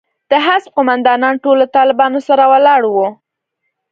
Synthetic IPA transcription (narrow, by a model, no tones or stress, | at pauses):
d̪̥əɦasb̚qʊmand̪ɑnɑnʈolːat̪ɑlɪbɑnosaɾawalɑɽwo